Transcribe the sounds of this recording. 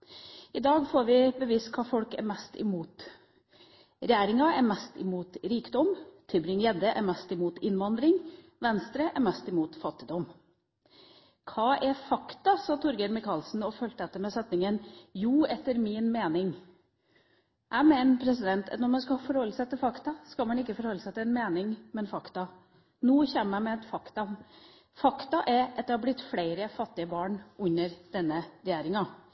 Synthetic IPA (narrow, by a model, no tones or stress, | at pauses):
ʔɪd̪ɑːɡfoːɾʋɪbəʋiːskʰɑːfɔlkæ̰ɾmɛst̪ɪ̰muːt̪ | ɾɛjæːɾɪŋɑæɾmɛst̪ɪmuːt̪ɾiːkd̪ɔmt̪ʰɪlbɾɪŋjɛd̪əʔæ̰ɾmɛst̪ɪmuːt̪ɪnʋɑnd̪ɾɪŋ | ʋɛnst̪ɾəʔæɾmɛst̪ɪmuːt̪fɑt̪ːɪd̪ɔm | kʰɑːʔɛfɑkt̪ɑsɑːt̪ʰɔɾɡəɾmɪkʰɑlsn̩ɔføːlt̪əɛt̪ːəmɛsɛt̪nɪŋənjuːɛt̪ːəɾmɪnmeːnɪŋ | ʔæɪmɛːnpʰɾɛsɪd̪ɛnt̪nɔɾmɑns̬kɑfɔɾhɔlːəsæɪt̪ɪlfɑkt̪ɑskɑlmɑnɪkːəfɔɾhɔlːəsæɪt̪ʰɪlɛnmeːnɪŋmɛnfɑkt̪ɑ | nuːçɛməæmɛɛt̪fɑkt̪ɑ | fɑkt̪ɑʔɛɾɑt̪̚d̪ɛhɑɾblɪt̪ːfleɪɾəfɑt̪ːɪəbɑːɳʉnːəɾd̪̥ɛnːəɾɛjæːɾɪŋɑ